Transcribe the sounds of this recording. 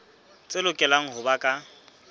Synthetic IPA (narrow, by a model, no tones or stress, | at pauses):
t͡sʼelʊkʼɛlaŋ̩ɦʊbakʼa